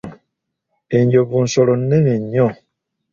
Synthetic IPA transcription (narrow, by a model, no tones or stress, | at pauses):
eɲd͡ʒobon̩sɔɾɔnɛneɲɔ